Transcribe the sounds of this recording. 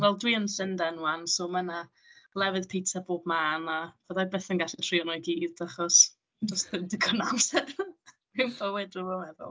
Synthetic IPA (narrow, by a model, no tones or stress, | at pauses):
vɛlˠdwiənsɪndɛnwansoːməna | lˠɛvɨðpʰejtʰaboːbmaːnavəðajbeːθənɡaɬɛtʰriɔnɔjɡiːðaχɔs | d͡ʒɔstðɪmdiɡʰɔnamsɛn | minbəwɛdrɔvɔlɛvɔ̰lˠ